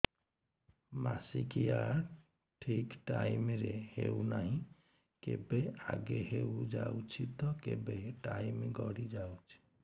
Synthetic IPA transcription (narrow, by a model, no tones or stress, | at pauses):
masikijaɾ | ʈʰikʈaimɾeheunaɦĩ | kebea̰ɡeɦeud͡ʒawt͡ʃʰit̪ɔkebeʈaimeɡɔɾid͡ʒawt͡ʃʰi̥